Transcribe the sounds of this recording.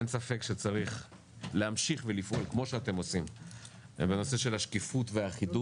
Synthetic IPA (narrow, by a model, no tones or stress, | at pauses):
ensafekʃet͡saʁiχ | leamʃiχvelifʔo̞lkmo̞ʃeate̞mo̞sim | ḛmbeno̞se̞ʃe̞lhaʃkifutveaχidu